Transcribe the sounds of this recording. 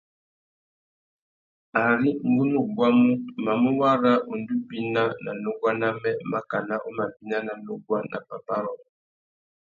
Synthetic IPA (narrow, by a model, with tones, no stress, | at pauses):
a˨ɾi˦ŋ̩˨ɡu˦nu˦˨ɡwa˦mu˦ma˨mu˦wa˦ɾa˦u˨n̩˨du˦bi˨na˦na˨no˦ɡwa˦na˦mɛ˦ma˦ka˨na˦ʔu˦ma˨bi˦na˦na˨nu˦ɡwa˦nʔa̰˨pa˨pa˦ɾɔ˨˦